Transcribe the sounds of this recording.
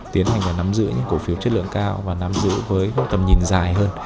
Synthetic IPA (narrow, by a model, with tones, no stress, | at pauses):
t̪i˨˦ənha˨˩jŋ̟vaː˨˩na˨˦mzɨ̰˧˥ɲɨ̰˧˥ŋko˧˩fi˨˦wt͡ɕə˦˥t̚lɨ̰˧˨əŋkaː˧wvaː˨˩na˨˦mzɨ̰˧˥vəː˨˦jt̪ə˨˩mɲï˨˩ŋzaː˨˩jɦəː˧n